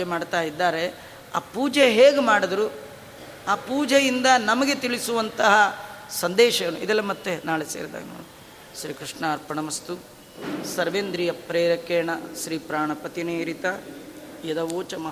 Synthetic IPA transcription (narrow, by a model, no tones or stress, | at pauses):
emaːɖt̪aːjid̪ːaːɾe̞ | a̰ːpuːd͡ʒeɦeːɡemaːɽɐd̪ɾu | aːpuːd͡ʒejind̪ɐnɐmɐɡe̞t̪iɭisuʋɐnt̪ɐɦɐsɐnd̪ɛːʃɐjɐnuid̪ɛlːɐmɐt̪ːenaːɭeseːɾd̪ɐ̰ːno̰ːu | ʃɾiːkɾiʂɳaːɾpɐɳɐmɐst̪u | sɐɾʋeːnd̪ɾijɐpɾeːɾɐkeːɳɐʃɾiːpɾaːɳɐpɐt̪ineːɾit̪ɐjɐd̪ɐʋoːt͡ʃɐmɐɦ